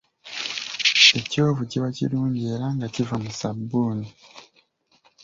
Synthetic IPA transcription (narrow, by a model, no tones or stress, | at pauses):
e̞co̞ːvuciβacḭɾuːɲɟeːɾaŋɡacivamusabːuːni